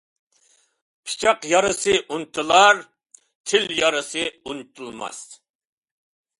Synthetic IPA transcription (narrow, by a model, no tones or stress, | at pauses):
pʰi̥t͡ʃʰɑqjɑɾɨsɨʔunt̪ʰɨlˠɑɾ | t̪ʰɪljɑɾɨsɨunt̪ʰulˠmɑ̰s